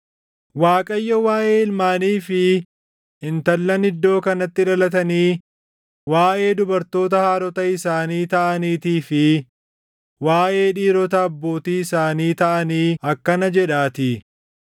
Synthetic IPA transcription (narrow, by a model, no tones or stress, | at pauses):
waːkʼɐjːɐwaːʔe̞ːɪlmaːniːfɪ | ɪnt̪ɐlːɐnɪd̪ːo̞ːkɐnɐt̪ːɪᶑɐlɐt̪ɐniː | waːʔe̞ːd̪ʊbɐɾt̪o̞ːt̪̬ɐhaːɾɔt̪ɐɪsaːniːt̪ɐʔɐniːt̪iːfɪ | waːʔe̞ːᶑiːɾɔt̪ɐːbːo̞ːt̪iːɪsaːniːt̪ɐʔɐniːɐkːɐnɐd͡ʒɛᶑaːt̪ɪ